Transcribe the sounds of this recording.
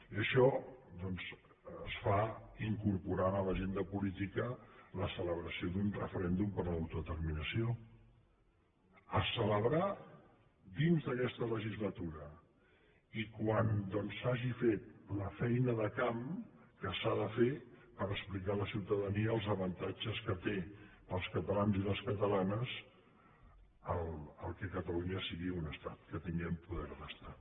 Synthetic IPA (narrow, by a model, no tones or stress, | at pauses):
iəʃɔd̪ɔnz | əsfaiŋkuɾpuɾanələʒend̪əpulit̪ikələsələβɾəsioðunrəfəɾɛnd̪umpəɾləwt̪uðət̪əɾminəsio | əsələβɾa | d̪inzðəkɛst̪ələʒizlət̪uɾə | ikwand̪ɔnsaʒifet̪̚ləfɛjnəðəkamkəsaðəfepəɾəsplikaləsiwt̪əðəniəːlˠzəβənt̪ad͡ʒəskət̪e | əlˠskət̪əlanziləskət̪əlanəs | əlˠəlˠkɛkət̪əluɲəsiɣiunəst̪at̪̚kət̪iŋɡɛmpuðɛɾðəst̪a